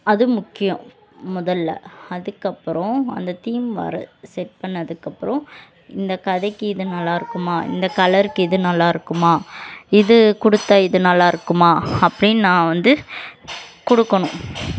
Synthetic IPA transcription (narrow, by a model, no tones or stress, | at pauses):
ɐðɯmʊkːɪjɐ̃ | mʊðɐlːɐ̰ɐðɯkːɐpːɯɾɔ̃ɐ̰nd̪ɐt̪iːmʋɐ̰ɾɐ̰sɛʈ̚pɐɳːɐðɯkːɐpːɯɾɔ̃ | ɪnd̪ɐkɐðɐɪkːɯɪðɯnɐlːaːɪɾɯkːɯmaːɪ̰nd̪ɐkɐlɐɾɯkːɯɪðɯnɐlːaːɪɾɯkːɯmaːɪðɯkɔɽɯt̪ːaɪðɯnɐlːaːɪɾɯkːɯmaːɐpːɐɽɪnnãːʋɐnd̪ɯ | kɔɽɯkːɐɳʊ̃